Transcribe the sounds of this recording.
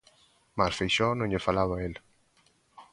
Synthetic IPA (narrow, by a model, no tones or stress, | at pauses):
masfejʃɔnõɲʎefalaβael